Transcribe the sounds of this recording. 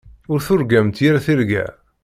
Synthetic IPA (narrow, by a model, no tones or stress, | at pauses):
ʊɾθʊɾɡæmt̪jiɾaθiɾɡæ̰